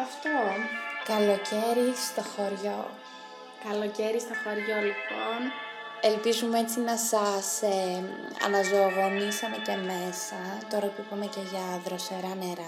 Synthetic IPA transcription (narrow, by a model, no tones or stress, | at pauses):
ɐft̪okɐlo̞ce̞ɾist̪oxoɾʝo | kɐlo̞ceɾist̪oxo̞ɾʝo̞lipon | elpizumeet͡sinɐsɐs | ɐ̰nɐzo̞ɣo̞nisɐnecemesɐt̪o̞ɾɐkupumeceʝɐðɾoseɾɐneɾɐ